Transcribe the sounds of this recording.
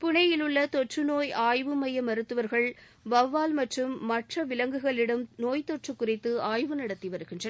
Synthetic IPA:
pʊɳɐjɪlɯɭːɐt̪ɔʈrɯnoːjaːjʋɯmɐjɐmɐɾɯt̪ːɯʋɐɾɣɐɭ | ʋɐʋːaːlmɐʈrɯmːɐʈrɐʋɪlɐŋɡɯɣɐɭɪɽɯmnoːjt̪ɔʈrɯkːʊrɪt̪ːɯaːjʋɯnɐɽɐt̪ːiʋɐɾɯɣɪndrɐ

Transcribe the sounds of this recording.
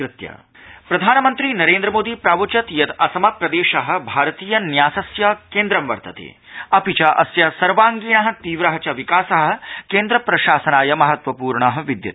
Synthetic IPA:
kɾɪt̪jɐ̰ | pɾɐd̪ʱaːnɐmɐnt̪ɾinɐɾeːnd̪ɾɐmoːd̪ipɾaːʋut͡ʃɐt̪jɐt̪ɐsɐmɐpɾɐd̪eːʃɐɦɐ̆bʱaːɾɐt̪iːjɐnjaːsɐsjɐkeːnd̪ɾɐmʋɐ̰ɾt̪ɐt̪ḛ | ɐpit͡ʃɐʔɐ̰sjɐsɐɾʋaːŋɡiːɳɐɦɐ̆t̪iːʋɾɐɦɐt͡ʃɐʋikaːsɐɦɐ̆keːnd̪ɾɐpɾɐʃaːsɐnaːjɐmɐɦɐt̪ʋɐpuːɾɳaːɦɐ̆ʋid̪jɐ̰t̪

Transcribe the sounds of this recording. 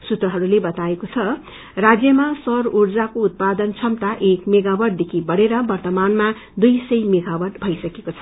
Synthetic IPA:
sut̪rʌɦʌɾulebʌt̪aekot͡sʰʌ | rad͡zjʌmasʌrurd͡zakout̪̚pad̪ʌnt͡sʰʌmt̪aʔekmeɡawʌɖ̚d̪ekʰibʌɽeɾʌbʌrt̪ʌmanma | d̪ujsʌjmeɡawʌrʈbʱʌjsʌkekot͡sʰʌ̥

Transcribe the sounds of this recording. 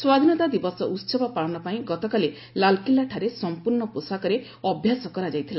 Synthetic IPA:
swad̪ʱinɔt̪ad̪ibɔsɔʔut̪sɔbɔpaɭɔnɔpaĩɡɔt̪ɔkali | lalkilaʈʰaɾesɔmpuɾɳɔposakɔɾe | ɔbʱjasɔkɔɾad͡ʒajt̪ʰila

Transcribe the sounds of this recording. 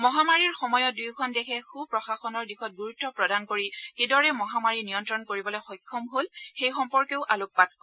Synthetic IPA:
mɔɦamaɹiɹxɔmɔjɔt̚dujkʰɔndɛkʰɛxupɹɔxaxɔnɔɹdixʰɔt̚ɡuɹutːɔpɹɔdankoɹikedɔɹɛmɔɦamaɹinijɔntɹɔnkoɹibɔlɔjxɔjkʰːɔmɦolxejxɔmpɔɹkeʊʔalokpat̚kɔ

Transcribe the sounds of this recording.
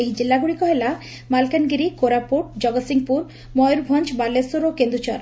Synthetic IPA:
eɦid͡ʒilːaɡuɽikɔɦela | malkanɡiɾikoɾapuʈ̚d͡ʒɔɡɔsiŋɡpuɾ | mɔjɾbʱɔnt͡ʃbalesuɾokend̪ɾut͡ʃɔɾ

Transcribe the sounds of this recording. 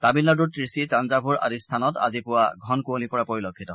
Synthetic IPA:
tabilːɔd̬utɹisitanzabʱuɹa̰distʰanɔta̰zipʊwaɡʱɔnkuolipɔɹapoɹilɔkʰːitɔ

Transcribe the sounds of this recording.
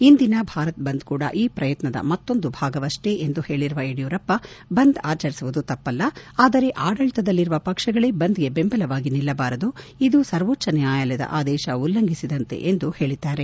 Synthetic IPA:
ind̪inɐbʱaːɾɐt̪̚bɐnd̪kuːɽɐ̰ʔiːpɾɐjɐt̪nɐd̪ɐ̰mɐt̪ːo̞nd̪ubʱaːɡɐʋɐʂʈeʔend̪uhe̞ːɭiɾuʋɐeɽijuːɾɐpːɐbɐnd̪aːt͡ʃɐɾisuʋud̪ut̪ɐpːɐlːɐaːd̪ɐɾe̞ʔaːɽɐɭt̪ɐd̪ɐlːiɾuʋɐpɐkʂɐɡɐɭebɐnd̪iɡe̞be̞mbɐlɐʋaːɡinilːɐbaːɾɐd̪uid̪usɐɾʋoːt͡ʃːɐnjaːjɐlɐd̪ɐ̰ʔaːd̪ɛːʃɐulːɐŋɡʱisid̪ɐnt̪e̞̰ʔend̪uhe̞ːɭid̪aːɾe̞

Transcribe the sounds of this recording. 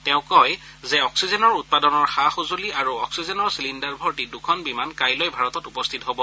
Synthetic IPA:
tɛʊ̃kɔj | zɛɔksizɛnɔɹut̚padɔnɔɹxaxozuliaɹuɔksizɛnɔɹsilindaɹbʱɔɹtidukʰɔnbimankajlɔjbʱaɹɔtɔtupɔst̪ʰitɔɦobɔ

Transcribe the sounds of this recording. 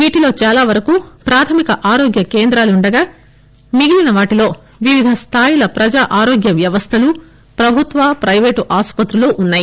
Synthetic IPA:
ʋiːʈilo̞ːt͡ʃaːlaːʋɐɾɐkuːpɾaːt̪ʰɐmikɐʔaːɾo̞ːɡjɐke̞ːnd̪ɾaːluuɳɖɐɡaː | niɡilinɐʋaːʈilo̞ː | ʋiʋid̪ʱɐst̪ʰaːjilɐpɾɐd͡ʒaːʔaːɾo̞ːɡjɐʋjɐʋɐst̪ʰɐlu | pɾɐbʱut̪ʋaːpɾɐjʋeːʈʔaːspɐt̪ɾuloʔunːaːji

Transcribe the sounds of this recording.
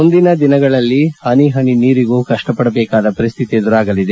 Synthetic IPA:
mund̪inɐd̪inɐɡɐɭɐlːihɐniɦɐniniːɾiɡuːkɐʂʈɐpɐɽɐbɛːkaːd̪ɐpɐɾist̪ʰit̪id̪uɾaːɡɐlid̪e

